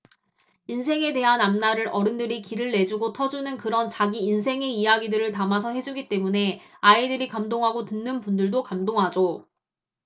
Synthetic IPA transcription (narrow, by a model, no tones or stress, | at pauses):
insʰe̞ŋe̞de̞ɦanamnaɾɯɾʔʌɾɯndɯɾikiɾɯɭːe̞d͡ʑuɡotʰʌd͡ʑunɯnkɯɾʌnt͡ɕaɡiːnsʰe̞ŋe̞ijaɡidɯɾɯɭtamasʰʌɦe̞d͡ʑuɡit͈e̞mune̞aidɯɾikamdoŋɦaɡotɯnːɯnpundɯɭdokamdoŋɦad͡ʑo